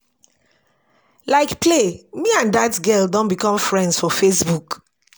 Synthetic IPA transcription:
laɪkplemiãndatɡɛldɔ̃nbikɔ̃mfɹɛ̃ndsfɔfesbuk

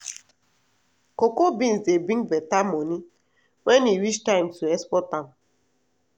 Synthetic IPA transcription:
kokobĩnsebĩŋbɛtamoni | wɛniɾit͡ʃtaɪmtuɛspɔtam

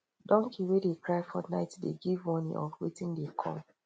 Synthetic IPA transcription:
dɔ̃ŋkʰiwedekɹaɪfɔnaɪtdḛɡivmɔnḭʔɔfwetĩndekʰɔ̰̃m

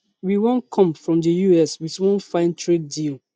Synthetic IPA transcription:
wiwõnkʰɔ̃mfɹɔ̃mdəjuɛswiθwɔ̃nfãɪ̃ntʰɹed̚dilˠ

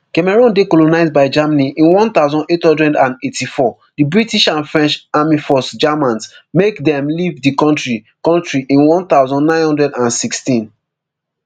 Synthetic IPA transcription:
kɛmɛɹɔ̃ndekɔlonaɪz̚baɪd͡ʒamaniʔĩnwɔ̃nt̪aʊzɔ̃ndethɔ̃ndɹɛ̃ndãnetifɔ | dibɹitiʃãnfɹɛ̃nt͡ʃamifɔsd͡ʒamãnsmekdɛ̃mlivdikɔ̃ntɹi | kɔ̃ntɹiʔĩnwɔ̃nt̪aʊzɔ̃nːãɪ̃nhɔ̃ndɹɛdãnsikstĩn

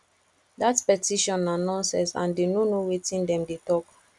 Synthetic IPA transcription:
datpɛtiʃɔ̃nanãnsɛsã̰ndenonowetĩndɛ̃mdetɔk

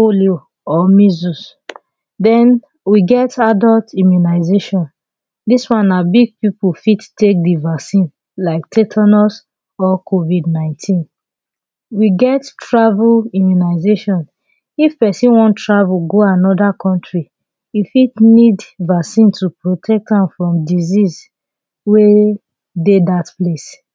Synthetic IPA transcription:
oljo | ɔmizus | dɛ̃n | wiɡɛtadɔltimjunaɪzeʃɔ̃n | diswãnabiɡ̚pipufittek̚divaksĩn | laɪk̚tʰetʰanɔs | ɔkʰovidnãɪ̃ntʰĩn | wiɡɛttɹavulimjunaɪzeʃɔ̃n | ifpɛsĩnwɔ̃ntɹavuɡoanɔdakʰɔ̃ntɹi | ifitnidvaksĩntupɹotʰɛk̚tãmfɹɔ̃mdiziz | we | dedatples

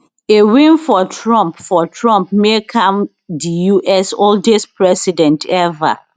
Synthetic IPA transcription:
ewĩnfɔtʰɹɔ̃mpfɔtʰɹɔ̃mpmekʰãm | dijuʔɛsoldespʰɹɛsidɛ̃ntʰɛva̰

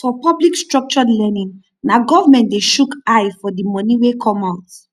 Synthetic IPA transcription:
fɔpɔblikstɹɔk̚t͡ʃɔlɛnĩŋ | naɡɔvamɛ̃ntdeʃukajfɔdimɔ̃niwekʰɔ̃maʊt

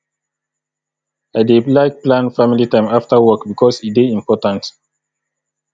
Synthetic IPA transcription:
aɪdelaɪk̚plãnfamilitãɪ̃maftawɔkbikʰɔsideĩmpɔtãnt

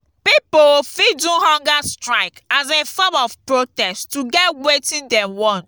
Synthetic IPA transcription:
pipofidũhɔ̃ŋɡastɹaɪkazefɔmɔvpɹotɛstuɡɛtwetĩndɛ̃mwɔ̃n

